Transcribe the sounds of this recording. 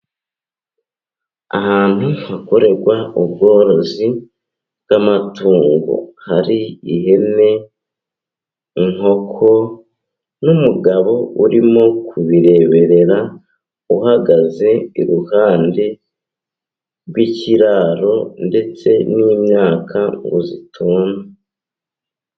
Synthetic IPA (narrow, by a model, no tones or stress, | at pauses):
a̰haːn̥u̥hako̞ɾe̞ɾɡwaub̚ɡo̞ːɾo̞zi | bɡamatuːŋɡṵhaɾiihe̞ne̞ | ŋ̥o̞kʰo̞ | numuɡaβo̞uɾimo̞kʰuβiɾe̞βe̞ɾe̞ɾa | uhaɡaze̞iɾuhaːnde | ɾɡwiciɾaːɾo̞nde̞t͡se̞niːmɲaːkʰaɡuzitʰuːna